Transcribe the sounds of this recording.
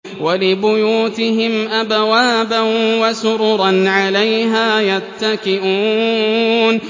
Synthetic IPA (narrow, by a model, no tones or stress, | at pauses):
walɪbʊjuːt̪ɪɦɪmʔabwaːbanwasʊɾʊɾˤɑnʕalajɦaːjat̪ːakɪʔuː | n